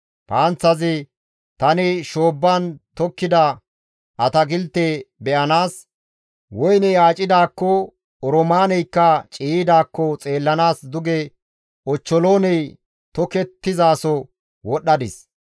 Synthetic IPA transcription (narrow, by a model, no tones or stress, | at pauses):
paːnt͡sːɐzɪ | t̪ɐnɪʃo̞ːbːaːnt̪ɔkːɪd̪ɐ | ʔɐt̪ɐɡɪlt̪ːɛbɛʔɐnaːs | wɔjnɛjaːt͡ʃʼɪd̪aːkːɔ | ɔɾɔmaːnɛjkːɐt͡ʃʼiːɪd̪aːkːɔt͡sʼe̞ːlːɐnaːsd̪ʊɡɛ | ɔt͡ʃːɔlo̞ːnɛj | t̪ɔkɛt̪ːɪzaːsɔ | wɔɗːɐd̪ɪs